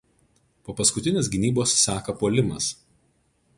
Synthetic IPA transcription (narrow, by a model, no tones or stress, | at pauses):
poːpɐskʊt̪ʲɪnʲeːsɡʲɪnʲiːboːsːʲæːkɐpuɔlʲɪmɐs